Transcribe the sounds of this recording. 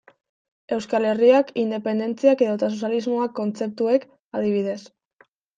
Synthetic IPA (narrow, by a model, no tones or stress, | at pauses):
e̞wskale̞riakind̪e̞pe̞nd̪e̞nt͡siake̞ðoet̪as̬osalizmoakːo̞nt͡se̞p̚t̪ue̞k | aðiβ̞iðe̞s